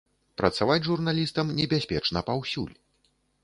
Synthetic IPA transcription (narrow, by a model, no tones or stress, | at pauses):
pɾɐt̪savat͡sʲʐurnalʲist̪ɐmnʲɛbʲasʲpʲɛt͡ʂnɐpawsʲṵlʲ